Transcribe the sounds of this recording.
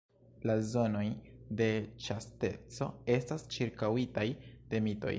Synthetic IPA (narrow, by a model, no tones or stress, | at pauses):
lazo̞no̞jde̞t͡ʃaste̞̰t͡so̞̰e̞stast͡ʃiɾkawitajd̥e̞mito̞̰j